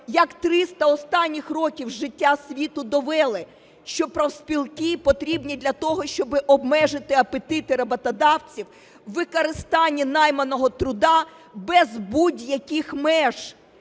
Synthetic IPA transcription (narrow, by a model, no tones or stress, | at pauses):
jɐkt̪ɾɪst̪ɐɔst̪ɑnʲːixrɔkʲiwʒɪtʲːasʲʋʲit̪ʊd̪ɔʋɛlˠɪ | ʃt͡ʃɔpɾɐwspʲilˠkɪpɔt̪ɾʲibnʲid̪lʲɐt̪ɔɦɔʃt͡ʃɔbɪʔɔbmɛʒɪt̪ɪɐpet̪ɪt̪ɪɾɐbɐt̪ɐd̪ɑwt͡sʲiw | ʋɪkɔɾɪst̪ɑnʲːinɑjmɐnɔɦɔt̪ɾʊd̪ɑ | bɛzbudʲjɐkɪxmɛʒ̥